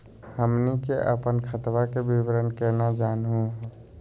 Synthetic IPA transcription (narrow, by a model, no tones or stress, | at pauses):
həmnikeʔə̰pənkʰət̪ʋakebiʋɾənkenad͡ʒaːnɦũɦ